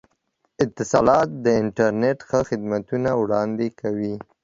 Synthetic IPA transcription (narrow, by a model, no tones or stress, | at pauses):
ɪt̪ːɪsɑ̰lɑt̪̚d̪əɪɳʈaɾneʈxəxɪd̪mat̪unawɽɑnd̪ekʰawi